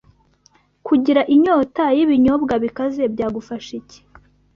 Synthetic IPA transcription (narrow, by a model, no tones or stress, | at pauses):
kuɟiɾaʔiɲoːtajiβiɲobɡaβikaze̞bɟaːɡufaʃice̥